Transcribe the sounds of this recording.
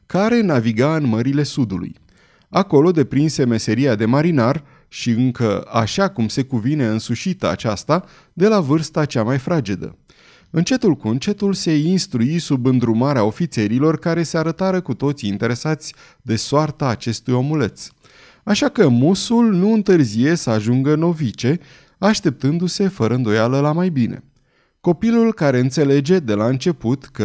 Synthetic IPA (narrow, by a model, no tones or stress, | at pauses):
kaɾe̞naviɡaɨnməɾile̞sud̪ulṵj | ako̞lo̞d̪e̞pɾinse̞me̞se̞ɾiad̪e̞maɾinar | ʃiɨŋkəa̰ʃakumse̞kuvine̞ɨnsuʃit̪əa̰t͡ʃast̪a | d̪e̞lavɨrst̪at͡ʃamajfɾad͡ʒed̪ə̰ | ɨnt͡ʃe̞t̪ulkunt͡ʃe̞t̪ulse̞inst̪ɾuisubɨnd̪ɾumaɾeao̞fit̪se̞ɾilo̞rkaɾe̞se̞aɾət̪aɾəkut̪o̞t̪siːnt̪e̞ɾe̞sat̪sʲ | d̪e̞soart̪aːt͡ʃe̞st̪ujo̞mule̞t̪s | aʃakəmusulnuɨnt̪ɨrzije̞səaʒuŋɡəno̞vit͡ʃe̞ | aʃt̪e̞p̚t̪ɨnd̪use̞fəɾəɨnd̪o̞jaləlamajbinʔe̞̰ | ko̞pilulkaɾe̞ɨnt̪se̞le̞d͡ʒe̞d̪e̞laɨnt͡ʃe̞put̪kə